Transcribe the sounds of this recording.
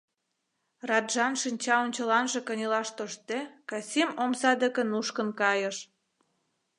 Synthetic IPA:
rɑd̪ʒɑnʃinʲt͡ɕɑonʲt͡ɕəlɑnʒĕkənʲilɑʃt̪oʃt̪ekɑsʲimomsɑd̪əkə̆nuʃkə̆nkɑjəʃ

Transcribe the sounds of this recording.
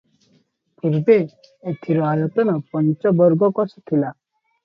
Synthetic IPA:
puɾbe | et̪ʰiɾɔalɔt̪ɔnɔpɔnt͡ʃɔbɔɾɡɔkɔsɔ̥t̪ʰila

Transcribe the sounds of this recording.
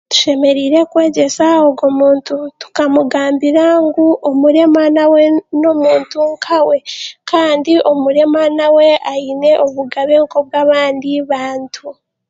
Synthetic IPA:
tu̥ʃe̞me̞ɾiːɾe̞kwe̞ːɟe̞saoɡo̞muːntutu̥kamuɡaːmbiɾaŋɡuʔomuɾe̞manawe̞no̞muːntuŋkʰawe̞kaːndiʔo̞muɾe̞manawe̞ʔaine̞ʔoβuɡaβeŋko̞b̚ɡaβaːndiβaːntʰu

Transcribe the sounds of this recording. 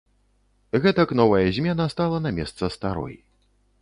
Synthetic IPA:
ɣɛt̪ɐkn̪ɔvɐjɐzʲmʲɛnɐst̪alˠɐnɐmʲɛst̪sɐst̪aɾɔ̰j

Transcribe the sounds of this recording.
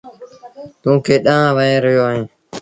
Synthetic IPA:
t̪ũːkʰeːɗãːʋəẽːɾəɦjoːaːɦẽː

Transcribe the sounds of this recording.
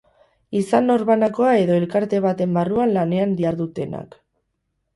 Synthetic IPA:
isano̞ɾβanako̞ae̞ðo̞e̞lkaɾt̪e̞β̞at̪e̞mbaruanlane̞and̪iaɾðut̪e̞na̰k

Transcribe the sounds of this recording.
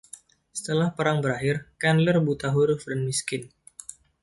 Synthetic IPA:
sə̥t̪əlahpəɾaŋbəɾaɦɪrkanlərbut̪aɦuɾfdanmiskɪn

